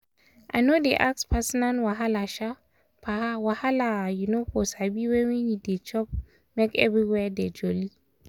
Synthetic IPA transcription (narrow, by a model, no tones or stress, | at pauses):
ʔa̰ɪnodeʔakspʰasɔnanwaɦalaʃa | pʰahawahalajunofɔsabiwɛ̃winidet͡ʃɔp̚ | mekɛ̰vɹiwɛded͡ʒɔli